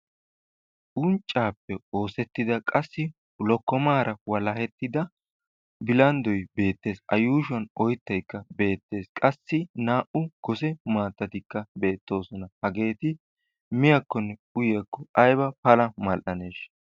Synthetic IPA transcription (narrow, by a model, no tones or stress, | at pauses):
ʔʊnt͡ʃʼːaːpːɛo̞ːsɛt̪ːɪd̪ɐkʼɐsːɪ | lɔkːɔmaːɾɐwɐlɐhɛt̪ːɪd̪ɐ | bɪlɐnd̪ɔjbe̞ːt̪ːe̞ːsɐ̰juːʃɔnɔjt̪ːɐjkːɐbe̞ːt̪ːe̞ːskʼɐsːɪnaːʔʊɡ̥ɔsɛmaːt̪ːɐt̪ɪkːɐbe̞ːt̪ːo̞ːsɔnɐhɐɡe̞ːt̪ɪ | mɪjɐkːɔnːɛʊjjɐkːɔɐjbɐpɐlɐmɐlʔɐne̞ːʃ